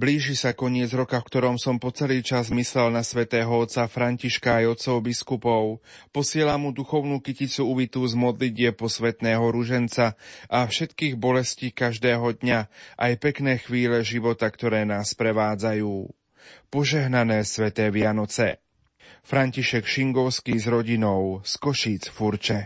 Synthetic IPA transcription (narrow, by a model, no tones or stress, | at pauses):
bliːʒisakɔɲɪɛd͡zɾɔkafkt̪ɔɾɔmsɔmpɔt͡sɛliːt͡ʃazmislɛlnasʋɛt̪ɛːɦɔɔt̪t͡safɾaɲciʃkaːjɔt̪t͡sɔʊbiskupɔʊpɔsɪɛlamud̪uxɔʊnuːkicit͡suuʋit̪uzmɔd̪liɟɪɛpɔsʋɛt̪nɛːɦɔɾuʒɛnt͡saʔafʃɛt̪kiːɣbɔlɛsciːkaʒd̪ɛːɦɔd̪ɲaʔajpɛknɛːxʋiːlɛʒiʋɔt̪akt̪ɔɾɛːnaːspɾɛʋaːd͡zajuː | pɔʒɛɦnanɛːsʋɛt̪ɛːʋɪanɔt͡sɛ | fɾaɲciʃɛkʃiŋɡɔʊskiːzɾɔɟinɔʊskɔʃiːt͡sfuɾt͡ʃɛ